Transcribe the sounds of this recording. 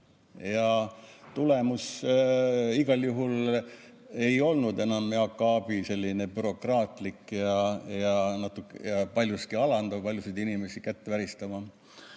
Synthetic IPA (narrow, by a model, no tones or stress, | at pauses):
jɑt̪ule̞mus | iɡ̥ɑljuɦul | e̞jo̞lnud̪e̞nɑmɑkːˑɑːb̥ise̞lʲːine̞byɾo̞krɑːt̪ˑlikjɑjɑnɑt̪ːˑukjɑpɑlʲjuskiɑlɑnd̪̥ɑpɑlʲjusijd̪inimesikæt̪ːevæɾist̪ɑmɑ